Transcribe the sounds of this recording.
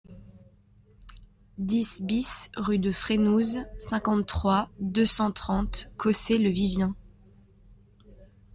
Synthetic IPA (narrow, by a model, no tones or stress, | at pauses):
d̪isbisʁyd̪əfχenuzsɛ̃kɑ̃t̪ːχwad̪øsɑ̃t̪χɑ̃t̪kɔseləvivjɛ̃